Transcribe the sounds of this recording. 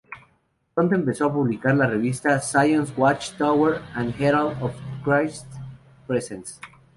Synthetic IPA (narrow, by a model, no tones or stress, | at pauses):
ont̪̬oempeso̞apuβlikaɾlareβ̞ist̪asajõnswat͡ʃt̪aweɾãnd̪xeɾald̪ofkɾajst̪ | pɾesẽns